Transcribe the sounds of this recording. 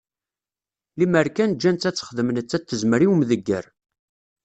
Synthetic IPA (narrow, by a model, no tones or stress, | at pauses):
liməɾkænd͡ʒːænt̪ːæt͡sːə̥χðəmənət͡sːæt̪ːəzməɾiwmðəɡːəɾ